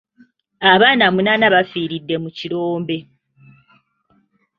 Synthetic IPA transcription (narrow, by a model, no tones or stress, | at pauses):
aβaːnamunanaβafiːɾidːe̞muciɾoːmbe̞